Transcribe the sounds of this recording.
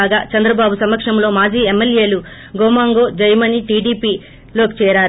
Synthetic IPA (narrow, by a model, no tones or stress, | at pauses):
aːɡaːt͡ʃɐnd̪ɾɐbaːbusɐmɐkʂɐmlo̞ːmaːd͡ʒiːemːelje̞ːlu | ɡoːmaːŋɡo̞ːd͡ʒɐjmɐniʈiːɖiːpiː | lo̞ːkit͡ʃɛːɾaːɾ